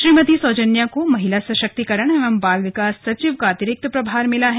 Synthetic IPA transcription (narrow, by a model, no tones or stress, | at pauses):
ʃɾiːmɐt̪isɔːd͡ʒənjakomɐɦɪlasɐʃək̚t̪ikɐɾəɽ̃eʋɐmbaːlʋɪkaːsːɐt͡ʃiʋkaːt̪ɪɾɪk̚t̪pɾɐbʱaːɾmɪlaɦɛː